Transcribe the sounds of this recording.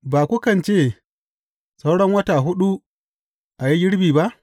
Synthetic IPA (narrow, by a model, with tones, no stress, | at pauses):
baː˨kʷʊ˦kɐ˨nt͡ʃeː˦˨ | sa˦wɽɔ˦ŋwɐ˦taː˨ɦʊ˦ɗu˦ | ʔa˨ji˦jɪ˦ɽbiː˨ba˦ʔ